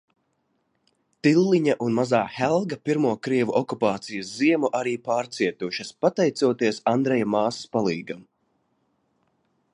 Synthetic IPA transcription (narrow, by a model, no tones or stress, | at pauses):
t̪ilˠːiɲaʔunmazaːxɛlˠɡɐpiɾmuɔkɾiɛvuʔɔkupaːt̪sijɐsziɛmuʔaɾiːpaːɾt̪siɛt̪uʃɐspat̪ɛjt̪suɔt̪iɛsand̪ɾɛjamaːsi̥spalˠiːɡam